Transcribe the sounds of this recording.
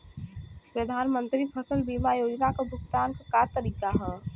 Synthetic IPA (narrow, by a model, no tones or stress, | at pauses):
pɾəd̪ʱaːnmə̃nt̪ɾipʰəsəlbiːmajoːd͡ʒnakabʱʊɡt̪aːnkakaːɾt̪əɾiːkaɦɛː